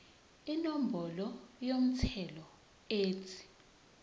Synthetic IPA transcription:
inom̩bɔlɔjom̩tʰɛlɔ | eːtʰi̥

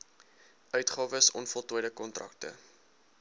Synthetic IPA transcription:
ʔœɥtχɑːvəsɔ̰nfɔlˠtujdəkɔntrɐ̰k̚tə̰

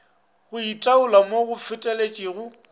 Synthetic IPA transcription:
ɣʊitʼaʊlamoɣʊfʰɪtʼɛlet͡ʃʼiɣʊ

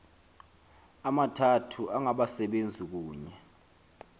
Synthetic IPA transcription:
amatʰatʰuʔaŋaɓasɛɓend͡zʱik̬uːɲɛ

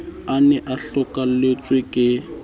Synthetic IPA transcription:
anɛʔaɬɔkʼalet͡sʼwekʼɪ

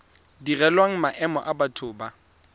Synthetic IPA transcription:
dirɛlwaŋ̩maʔɛmɔ̰ʔabatʰʊːba

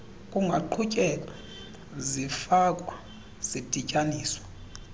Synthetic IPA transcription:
kʼuŋɡʱaǃʰucʼɛlʼa | zifakʼwa | z̥id̥ʱicʼaniːswḁ

